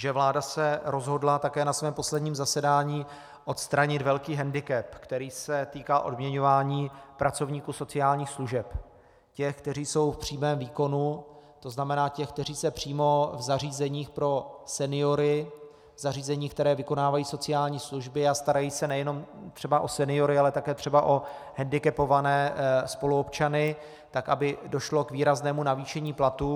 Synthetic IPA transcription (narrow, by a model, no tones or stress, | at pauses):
ʒɛvlaːdasɛɾo̞zɦo̞dlat̪akɛːnasvɛːmpo̞slɛdɲiːmzasɛdaːɲiː | ʔo̞t̪st̪ɾaɲɪt̪vɛlkiːɦɛndɪkɛpkt̪ɛɾiːsɛt̪iːkaʔo̞dmɲɛɲo̞vaːɲiːpɾat͡so̞vɲiːkuːso̞t͡sɪaːlɲiːxsluʒɛp | cɛxk̚t̪ɛriːso̞wfpr̝̥iːmɛːmviːko̞nu | t̪o̞znamɛnaːcɛxk̚t̪ɛriːsɛpr̝̥iːmo̞vzariːzɛɲiːxpɾo̞sɛnɪo̞ɾɪ | vzariːzɛɲiːk̚t̪ɛɾɛːvɪko̞naːvajiːso̞t͡sɪaːlɲiːsluʒbɪast̪aɾajiːsɛnɛjɛno̞mt̪r̝̥ɛbaʔo̞sɛnɪo̞ɾɪalɛt̪akɛːt̪r̥ɛbaʔo̞ | ɦɛndɪkɛpo̞vanɛːspo̞luo̞pt͡ʃanɪ | t̪akʔabɪdo̞ʃlo̞kviːɾaznɛːmunaviːʃɛɲiːplat̪u